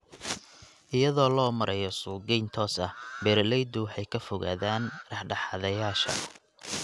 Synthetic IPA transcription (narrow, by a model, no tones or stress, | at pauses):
ʔɪjɐðɔːlɔːmɐɾɛjɔsʊːɡɛjnt̪ʰɔːsɐhbɛːɾlɛjd̪ʊwɑħɑjkʰɐfɔɣa̰ːðaːnrɑħɖɑħɑðɐjaːʃɐ̰